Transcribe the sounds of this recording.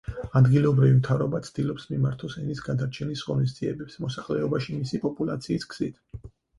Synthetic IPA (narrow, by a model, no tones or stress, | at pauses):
ad̪ɡilɔbɾivimt̪ʰavɾɔbat̪sʰd̪̥ilɔpsmimaɾt̪ʰɔsɛnisɡad̪aɾt͡ʃʰɛnisʁɔnis̬d̪z̥iɛ̰bɛpsmɔsaχlɛɔbaʃimisipʼɔpʼulˠat̪sʰiːskʰz̥it̪ʰ